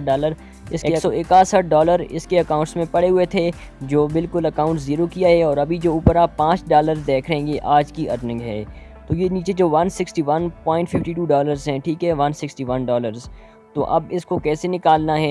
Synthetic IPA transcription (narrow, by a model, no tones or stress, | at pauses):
ɖaːləɾ | ɪskːeksɔɪkaːsəʈ̚ɖɔːləɾɪ̰skeɐkaːʊ̃ɳʈsmẽpɐɽeɦʊet̪ʰe | d͡ʒoːbɪlkʊlɐkãːʊ̃ɳʈsziːɾokijaɦɛɔːɾɐbʱid͡ʒoːuːpɾapãːt͡ʃɖaːləɾzd̪eːkʰɾɐɦẽːŋɡeʔaːd͡ʒkiʔɐɾnə̃ŋɡɦɛ̰ː | t̪oːjeniːt͡ʃed͡ʒoːʋɐnsɪksʈiʋɐnpɔːɪ̃ɳʈfɪfʈiʈuːɖɔːləɾzɦɛ̃ːʈʰiːkɦɛʋɐnsɪksʈiʋɐnɖɔːləɾz | t̪o̰ʔɐbɪskokɛːsenɪkaːlnaɦɛː